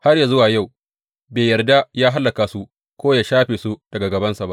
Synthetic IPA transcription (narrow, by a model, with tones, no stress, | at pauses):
ha˦rja˨zʊ˦waː˨ja˦˨w | beː˨jɐ˨rda˦jaː˦ɦa˦lːa˨kaː˨su˦ | kʷoː˦jaː˨ʃaː˦ɸeː˨su˦d̥ɐ˨ɡa˨ɡɐ˨bɐ˦nsa˨ba˦ʔ